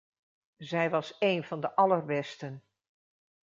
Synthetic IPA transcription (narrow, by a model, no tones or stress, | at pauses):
zɛjʋɑseːnvɑndəʔɑlərbɛstən